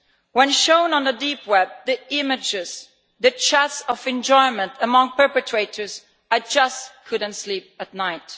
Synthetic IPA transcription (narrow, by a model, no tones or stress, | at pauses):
wɛ̃nʃõʊ̃nə̃nðədipwɛb̚ðiɪmɪd͡ʒɪz̥ | ðɨt͡ʃʰætsɔvɨ̃nd͡ʒɔɪmə̃ntʰəmʌ̃ŋpɜ˞pɨtʰɹeɪtʰə˞z | ad͡ʒʌstkʰʊdə̃n̩tslip̚ət̚ⁿnaɪt